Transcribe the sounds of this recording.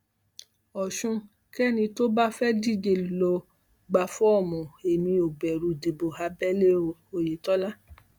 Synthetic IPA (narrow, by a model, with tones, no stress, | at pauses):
ɔ˨ʃũ˧ | kɛ˦nĩ˧to˦ba˦fɛ˦di˦˨d͡ʒe˨lɔ˧˦ | ɡ͡ba˧fɔ˦ɔ˦˨mɔ̃˨e˨mĩ˧o˨ɡ͡bɛ˨ɾu˨de˨bo˨ha˧bɛ˦le˦˨o˨je˨tɔ˦la˦